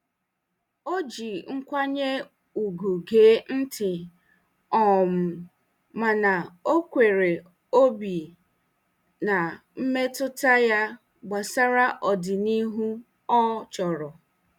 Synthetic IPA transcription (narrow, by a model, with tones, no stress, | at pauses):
o˦d͡ʒi˨ŋ̩˦kʷa˦ɲe˦ | u˨ɡu˨ɡeː˨˦n̩˦tɪ˨ | ɔ˨m̩˨ | ma˨na˨o˦kʷe˨ɾe˨ | o˦bi˨ | na˨ | m̩˦me˦tʊ˦ta˦ja˦ | ɡ͡ba˨sa˦ɾa˦ʔɔ˨dɪ˨ni˦ɦu˦ | ɔ˦t͡ʃɔ˨ɾɔ˨